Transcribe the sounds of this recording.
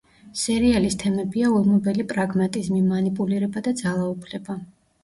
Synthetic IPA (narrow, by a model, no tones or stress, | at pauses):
sɛɾialist̪ʰɛmɛbiaulˠmɔbɛlipʼɾaɡmat̪ʼizmimanipʼuliɾɛbad̪ad̪zalˠaupʰlɛba